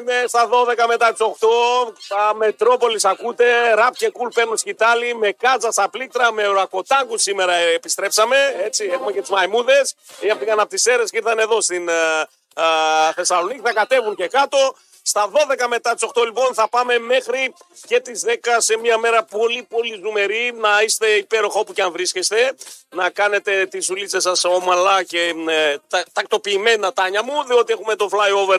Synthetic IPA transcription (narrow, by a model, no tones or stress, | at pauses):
mest̪ɐðo̞ðe̞kɐme̞t̪ɐt̪i̥so̞xt̪o̞tɐme̞t̪ɾo̞po̞lisɐkut̪e̞ɾɐpcekulpe̞ɾnosi̥cit̪ɐlime̞kɐzɐst̪ɐplit̪ɾɐme̞ɾɐko̞t̪ɐŋɡussime̞ɾɐpist̪ɾe̞psɐme̞et͡siexumecet̪uzmɐjmuðe̞siɐpot̪inɐnɐpot̪ise̞ɾesiɾθɐne̞ðo̞st̪in | θe̞sɐlo̞niciθɐkɐt̪e̞vuɲce̞kɐt̪o̞ | st̪ɐðo̞ðe̞kɐme̞t̪ɐt̪iso̞xt̪o̞lipo̞nθɐpɐme̞me̞xɾice̞t̪izðe̞kɐse̞miɐme̞ɾɐpo̞lipo̞lizume̞ɾinɐist̪e̞ipe̞ɾo̞xɐo̞puceɐɱvɾiscest̪e̞nɐkɐne̞t̪e̞t̪izulit͡sesɐso̞mɐlɐce̞t̪ɐt̪ɐk̚t̪o̞piːme̞nɐt̪ɐɲɐmuðio̞t̪ie̞xume̞t̪o̞flɐjo̞veɾ